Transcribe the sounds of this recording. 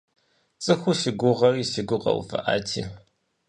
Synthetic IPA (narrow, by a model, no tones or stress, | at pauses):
t͡sʼɨxʷuʃɪɡʷʊʁɐriːʃɪɡʷʊqɐ̰w̰fɐ̰ʔaːtʰḭː